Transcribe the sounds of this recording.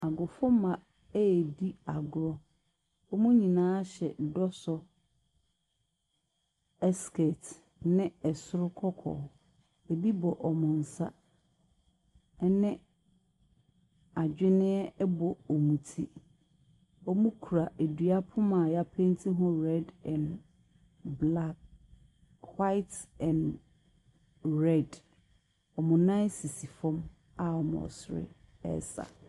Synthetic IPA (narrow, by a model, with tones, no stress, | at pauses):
a˨ɡʊ˨fʊ˦mã˨ | ɛ˦˨di˦a˨ɡʊ˨ɾɔ˦ | ɔ˦mũ˦ɲĩ˨nãː˦ɕɛ˨dɔ˦sɔ˨ | ɛ˦skɛ˨t | nɪ̃˦ɛ˨sʊ˦ɾʊ˦kʰɔ˦kʰɔ̰˨ | e˨bi˦bɔ˨ʔɔ˨mʊ̃˨n̩˨sa̰˦ | nɪ̃˦ | a˨d͡ʑᶣɪ˦nɪ̃˦ɛ˦ɛ˦bɔ˨ɔ˨mũ˨tʰi˦ | ɔ˦mũ˦kʰu˨ɾa˨ʔe˨dɥa˦pʰʊ˦mã˨ja˦pʰẽ˦ntʰi˦ɦʊ̃˦ɾɛ˦dɛ̃˨n | bla˦k̚ | hwa˦ɪ˦tɛ̃˨n | ɾɛ˦˨d | ɔ˨mʊ̃˨nã˦ɪ˦si˨si˨fɔ̃˦m | a˨ɔ˨mʊ̰̃˨ɔ̰˨sʊ˨ɾɪ̰˦ | ɛ̰˦sa̰˨